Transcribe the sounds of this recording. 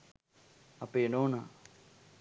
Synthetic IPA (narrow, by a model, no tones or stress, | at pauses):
apeːnoːnaː